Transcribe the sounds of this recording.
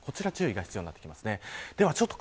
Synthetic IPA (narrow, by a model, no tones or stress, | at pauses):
kʰo̞t͡ɕiɾat͡ɕɨːiɡaçi̥t͡sɨjo̟iat̪ːekʲimasɨne̞d̪̥e̞βat͡ɕo̞t̪ːo̥k